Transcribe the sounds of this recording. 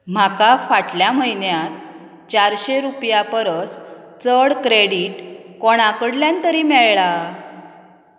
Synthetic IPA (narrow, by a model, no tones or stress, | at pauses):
m̤akafaʈljaməjnjat̪ | t͡ɕaɾɕeɾupjapəɾəs | t͡səɽkɾeɽiːʈkoɽ̃akəɽljant̪əɾiːmɛɭɭa